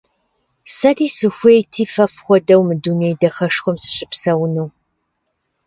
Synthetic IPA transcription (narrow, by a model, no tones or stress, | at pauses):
sɐriːsɨxʷejtʰiːfɐfχʷɔdɐwmɨdunejdɐxɐʂxʷɔmsɨ̥ɕʼɪpsɐwnɨw